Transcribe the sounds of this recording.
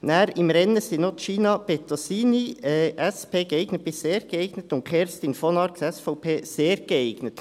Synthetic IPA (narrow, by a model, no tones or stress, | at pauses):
næːɾɪmɾɛnəsinot̪ʃiːnɑb̥et̪osiːniɛʔɛspeːɡ̥əeɪɡ̥nət̚b̥ɪsseːɾɡ̥əeɪɡ̥nət̪ʊntkʰɛɾst̪ɪnfɔnɑɾksɛsfɔʊpʰeːseːɾɡ̥əeɪɡnətt